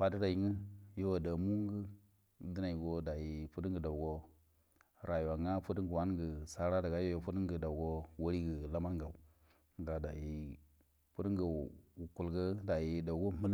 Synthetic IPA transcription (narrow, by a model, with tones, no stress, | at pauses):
pa˨də˦da˨ji˨˦ŋə˦jo˦wa˨da˨mu˦ŋ˦ɡə˦ | di˦na˨i˨ɡo˦da˨ji˨pu˦di˦ŋɡə˨da˨ɡo˦ | ɾʔa˨jwa˨ŋa˦pu˦di˦ɡə˨wa˦nɡə˨sa˦ɾa˦da˨ɡa˦jo˦jo˨˦pu˦di˦ŋ˦ɡə˨da˨u˨ɡo˦wa˦ɾi˦ɡə˨la˦ma˦nɡa˨u˨ | ŋ˨ɡa˨da˨ji˦ | pu˦di˦ŋɡə˨u˨ku˨lɡə˦da˨ji˦da˨u˨ɡo˦mu˦l